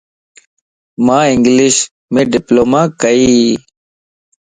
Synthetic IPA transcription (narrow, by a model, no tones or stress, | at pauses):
mãːɪ̃ŋɡliɕ | mẽːɖɪploːmãːkəiː